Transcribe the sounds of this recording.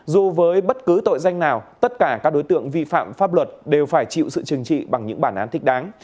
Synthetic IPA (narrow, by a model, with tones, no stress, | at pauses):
zu˨˩vəː˨˦jɓə˦˥t̚kɨ˨˦t̪o̰˧˨jza˧jŋ̟naː˨˩wt̪ə˦˥t̚kaː˧˩kaː˦˥ɗo˨˦jt̪ɨ̰˧˨əŋvi˧fa̰ː˧˨mfaː˦˥p̚lwə˨˩t̚ɗe˨˩wfaː˧˩jt͡ɕḭ˧˨wsɨ̰˧˨t͡ɕɨ˨˩əŋt͡ɕḭ˧˨ɓa˨˩ŋɲɨ̰˧˥ŋɓaː˧˩nʔaː˨˦nt̪ï˦˥k̟̚ɗaː˨˦ŋ